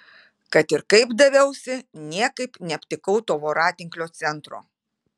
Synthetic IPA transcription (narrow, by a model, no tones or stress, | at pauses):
kɐt̪ɪɾkɐɪbd̪ɐʋʲɛʊsʲɪnʲiɛkɐɪpnʲɛɐpʲt̪ʲɪkɐʊt̪oːʋoːɾɑːt̪ʲɪŋklʲoːt̪sʲɛnt̪ɾo̰ː